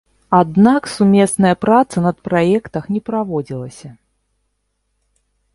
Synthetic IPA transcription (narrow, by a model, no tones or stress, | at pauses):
ad̪naksumʲɛsnɐjɐpɾat̪sɐnɐt̪̚pɾajɛkt̪ɐxnʲɛpɾavɔd͡zʲilˠɐsʲɐ